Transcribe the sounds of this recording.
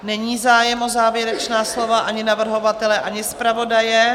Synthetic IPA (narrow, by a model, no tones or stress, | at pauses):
nɛɲiːzaːjɛmʔo̞zaːvjɛɾɛt͡ʃnaːslo̞vaʔaɲɪnavr̩ɦo̞vat̪ɛlɛʔaɲɪspɾavo̞dajɛ